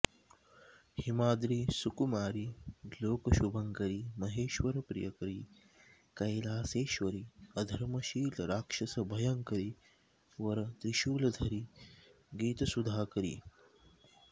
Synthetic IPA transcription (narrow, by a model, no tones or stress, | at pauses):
himaːd̪ɾiːsukumaːɾiloːkɐʃubʱɐŋkɐɾimɐɦeːʃʋɐɾɐpɾḭjɐkɐɾi | kɐjlaːseːʃʋɐɾiɐd̪ʱɐɾmɐʃiːlɐɾaːkʂɐsɐbʱɐjɐŋkɐɾi | ʋɐɾɐd̪ɾiʃuːlɐd̪ʱɐɾi | ɡiːt̪ɐsud̪ʱaːkɐɾḭː